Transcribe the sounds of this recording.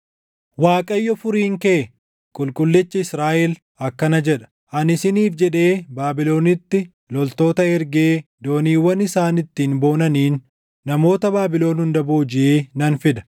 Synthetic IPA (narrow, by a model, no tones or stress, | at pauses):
waːkʼɐjːɔfʊɾiːŋkeː | kʼʊlkʼʊlːɛt͡ʃːɐɪsɾaːʔɛl | ɐkːɐnɐd͡ʒɛᶑɐ̥ | ʔɐnɪsɪniːfd͡ʒɛᶑe̞ːbaːbɪlo̞ːnɪt̪ːɪ | lɔlt̪o̞ːt̪ɐɛɾɡeːd̪o̞ːniːwːɐnɪsaːnɪt̪ːiːnbo̞ːnɐniːnː | ɐmo̞ːt̪ɐbaːbɪlo̞ːnhʊnd̪ɐboːd͡ʒɪʔeːnɐnfɪd̪ɐ̥